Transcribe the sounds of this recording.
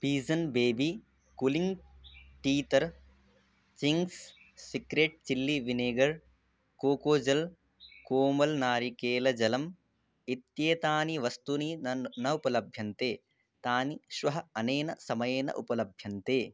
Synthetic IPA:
piːzɐnbeːbi | kuliŋɡʈiːt̪ɐɾ | t͡ʃiŋɡsː | ikɾeːʈ̚t͡ʃilːiʋineːɡɐɾ | koːkoːd͡ʒɐl | koːmɐlnaːɾikeːlɐd͡ʒɐlɐm | it̪jeːt̪aːniʋɐst̪uninɐnɐupɐlɐbʱjɐnt̪eː | t̪aːniʃʋɐɦɐɐneːnɐsɐmɐjeːnɐ̰ʔupɐlɐbʱjɐnt̪eː

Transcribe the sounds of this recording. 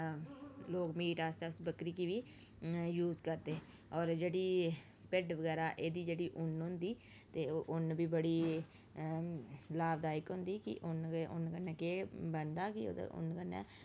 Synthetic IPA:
loːkmiːʈaːst̪ɛːʊsbəkɾiːkiːʋiː | juːzkəɾd̪eː | ɔːɾd͡ʒeːɽiː | pɪɖʋəɡɛːɾaːʔeːd̪iːd͡ʒeːɽiːʔʊnɦʊ̃nd̪iː | t̪eːoʔʊnbiːbəɽiː | laːbd̪aːɪkɦʊnd̪iːkɪ̰ʔʊnʊ̰nkənːɛːkeːbəɳd̪aːkɪ̰ʊ̰nkənːɛ̰ː

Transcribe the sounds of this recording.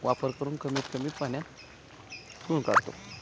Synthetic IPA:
ʋapəɾkəɾuːnkəmit̪kəmit̪panja | suːnka̰ɾt̪o̰

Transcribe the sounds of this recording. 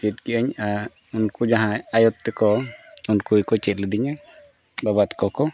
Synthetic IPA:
bit̪̚kiʔaɲa | unkud͡ʒaɦãajɔt̪tːɛkɔunkujkɔt͡ʃɛt̪̚ˀlɛd̪iɲa | babat̪kɔkɔ

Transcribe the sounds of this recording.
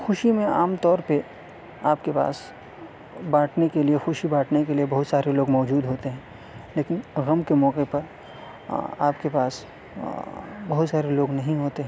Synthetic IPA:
xʊʃimẽaːmt̪ɔːɾpe | aːpkepa̰ːs | baːʈnekeliexʊʃibaːʈnekeliebɐɦʊt̪saːɾeloːɡmɔːd͡ʒuːd̪ɦoːt̪eɦɛ̃ː | leːkɪnɣɐmkemɔːqepɐɾ | a̰ːpkepaːs | bɐɦʊt̪saːɾeloːɡnɐɦĩɦoːt̪eɦɛ̃ː

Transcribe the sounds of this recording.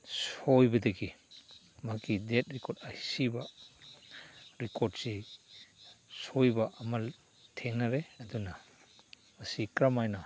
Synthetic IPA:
sojbɐdɐɡi | makidet̚ɾikoɾtajsibɐ | ɾikʰoɾd̚si | sojbɐʔɐmɐl | tʰeŋnɐɾeɐdunɐ | mɐsikɾamajnɐ

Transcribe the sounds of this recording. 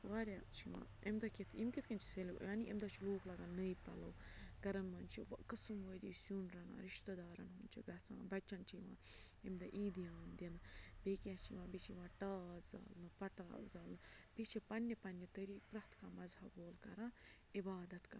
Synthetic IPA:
ʋaːɾʲjaːt͡ʃʰiʋã̰ː | imd̪ɐkit̪ʰimkʲit̪̚ʰkɐnʲt͡ʃʰi̥selijaːniʔimd̪at͡ʃʰiluːklɐɡannɐjpɐ̰lɐwɡɐɾɐnʋɐnt͡ʃʰiʋɐkɨsɨmoːjd̪iːsunɾɐna̰ɾiʃt̪ɐd̪aːɾɐ̰nɦunʲt͡ʃʰiɡɐt͡sã̰bɐt͡ʃːɐnt͡ʃʰiʋã̰ː | imd̪ɐʔiːd̪ijaːnd̪ʲinɨbeːkʲjaːt͡ʃʰiʋãːbit͡ʃʰiʋãːʈaːza̰ːlnɨpɐʈaːzaːlnɨb̥it͡ʃʰipɐnʲjɐpɐnːɐt̪ɐɾiːk̚pɾɐht̪kaːmɐzhɐboːlkɐɾãː | ibaːd̪ɐt̪kɐ

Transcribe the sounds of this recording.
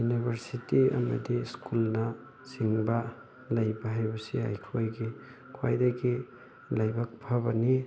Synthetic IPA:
junibʱɐɾsitiɐ̰mɐ̰diskulnɐ | siŋba | lɐjbɐɦajbɐsia̰jkʰojɡi | kʰwa̰jdaɡi | lajbak̚pʰɐbɐni

